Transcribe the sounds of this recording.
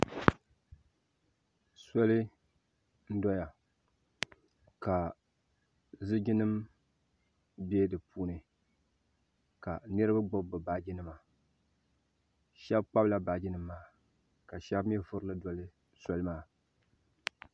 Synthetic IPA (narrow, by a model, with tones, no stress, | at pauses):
sɔ˦lɨ˦ | n̩˦dɔ˦ja˨ | ka˨ | zɨ˦d͡ʒi˦nɨ˦m | bɛ˦dɨ˨pʰuː˦nɨ˨ | ka˨nɨ˦ɾɨ˦ba˦ɡ͡bo˦bbɨ˨baː˦d͡ʒi˦nɨ˦ma˨ | ʃɛ˦bk͡pa˦bla˨baː˨d͡ʒi˦nɨ˦mː˦aː˨˦ | ka˨ʃɛ˦bm˦ɛ˦vʊ˦ɾɨ˦lɨ˦dɔ˨lɨ˦ | sɔ˦lɨ˦maː˦